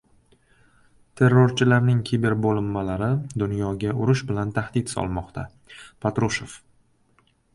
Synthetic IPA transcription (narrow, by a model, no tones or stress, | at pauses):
t̪ʰe̞ɾːoɾt͡ʃʰɪlaɾnɪŋkʲʰibe̞ɾbolɪmːalaɾɪd̪ʊnjɒɡʲaʔʊɾʊʃbɪlant̪ʰahd̪ɪt̪sɒ̰lˠmɒqt̪ʰa̰ | pʰat̪ɾʊʃof